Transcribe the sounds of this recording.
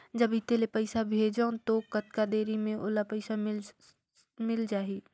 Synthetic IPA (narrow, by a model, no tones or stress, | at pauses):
d͡ʒəbɪt̪elepəɪsabʱeːd͡ʒãt̪okət̪kad̪eːɾimẽʔo̰ːlapəɪsamɪl | mɪld͡ʒaːɦiː